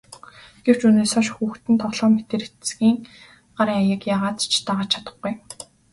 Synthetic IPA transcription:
ɡ̥ew̥t͡ɕuneːsɔʃxuːxt̪ɘ̆nt̪ʰɔɮɔːmet̪eːɾet̪sɡiːŋ | ɢ̥aɾiːŋajə̆kjaːʁaːt̪t͡ɕʰt̪aːʁaːt͡ɕʰḁt̪ə̥̆χɡuj

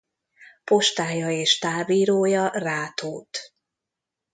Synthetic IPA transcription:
po̞ʃt̪aːjɒeːʃt̪aːviːɾoːjɒraːt̪oːt̪

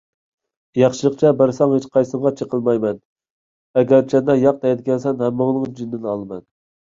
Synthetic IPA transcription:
jɑχʃɨlˠəqt͡ʃʰɛbɪɾsɑŋhet͡ʃqʰɑjsɨmʁɑt͡ʃʰəqəlˠmɑjmɛn | ɛɡʲɛɾt͡ʃʰɛnd̪ɑjɑq̚t̪ɛjd̪ɪɡʲɛnsɛnhɛmːoŋnˠɨŋd͡ʒynd̪ɪnɑlˠmɛn

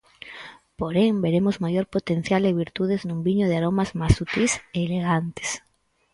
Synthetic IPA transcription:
poɾeŋbeɾemozmajoɾpot̪en̟θjalɪβiɾt̪uðeznũmbiɲoð̞eaɾomazmasut̪iseːleɣant̪e̥s

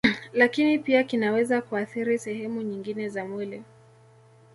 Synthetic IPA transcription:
lakinipiakinawɛzakuaθiɾisɛɦɛmuɲiŋɡinɛzamwɛlɛ

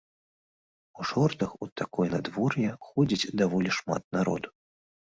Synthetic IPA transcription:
uʂɔrt̪ɨxut̪ʰakɔjnad̪vɔrjɛxɔd͡zʲit͡sʲd̪avɔlʲiʂma̰t̪̚naɾɔ̰d̪u

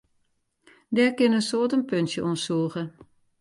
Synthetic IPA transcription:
dɛrkɪnənsoətənpøntjəʔonsuːəɣə

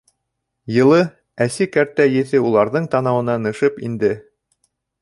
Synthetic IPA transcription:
jɤ̆lˠɤ | æsikæɾt̪æjɘ̆θɘulˠɑɾðɤɴt̪ɑnɑwɤ̆nɑnɤ̆ʃɤpḭnd̪ɘ

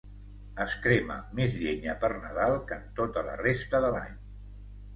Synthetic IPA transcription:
əskɾemə̰mezʎeɲəpərnəðalˠkənt̪ot̪ələ̰rest̪əðəla̰ɲ

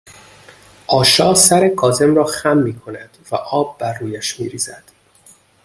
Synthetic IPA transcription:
ʔɒːʃɒːsæɾekʰɒːze̞mrɒːxæmːiːkʰo̞næd̪̥væʔɒːb̚ːæɾːuːjæʃmiːɾiːzæd̪̥

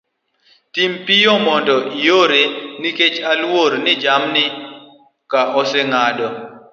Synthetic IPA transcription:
timpijɔmɔndɔʔijoɾeniket͡ʃalwoɾnɪd͡ʒamnɪ | kaʔɔseŋadɔ

